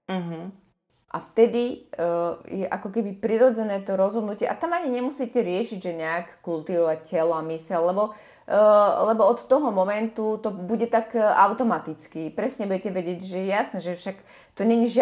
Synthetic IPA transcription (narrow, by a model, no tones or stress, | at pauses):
m̩ɦ̩ | ʔa̰ft̪ɛd̪i | jɛʔakɔkɛbipɾiɾɔd͡zɛnɛːt̪ɔɾɔzɦɔd̪nucɪɛʔa̰t̪amaɲiɲɛmusiːcɛɾɪɛʃiɟʒɛɲɛakːult̪iʋɔʋacɛlɔamisɛllɛbɔ | lɛbɔɔt̪ːɔɦɔmɔmɛnt̪ut̪ɔbuɟɛt̪akʔaʊt̪ɔmat̪it͡skipɾɛsɲɛbujɛcɛʋɛɟɪɛɟʒɛjɛjasnɛːʒɛfʃak | t̪ɔɲɛɲiʒɪ